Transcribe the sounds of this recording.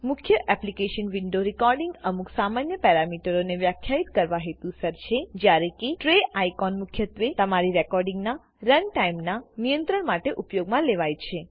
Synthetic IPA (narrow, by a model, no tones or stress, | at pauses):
mʊkʰjəʔɛplikeʃənʋiɳɖoɾikɔɾɖiŋɡəmuksamanjəpɛɾamiʈəɾoneʋjakʰjait̪kəɾʋaɦet̪ũsəɾt͡ʃʰed͡ʒjaɾekeʈɾeajkɔnmʊkʰjət̪ʋet̪əmaɾiɾɛkɔɾɖĩŋɡna | ɾənʈaimnanijə̃nt̪ɾəɳmaʈeʔupjoɡmãleʋajt͡ʃʰe